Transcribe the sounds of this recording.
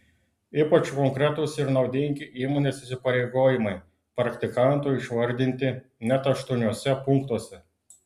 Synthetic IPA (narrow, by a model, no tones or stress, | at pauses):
iːpɐt͡ʃkɔŋkɾʲɛt̪ʊsɪɾnɒʊd̪ʲɪŋʲɡʲɪʔiːmoːnʲeːsɪsʲɪpɐɾʲeɪɡoːjɪmɐɪ | pɾɐkt̪ʲɪkɐnt̪ʊɪʃʋɐɾʲd̪ʲɪnʲt̪ʲɪ | nʲɛt̪ɐʃt̪uɔnʲuɔsʲɛpʊŋkt̪uɔsʲɛ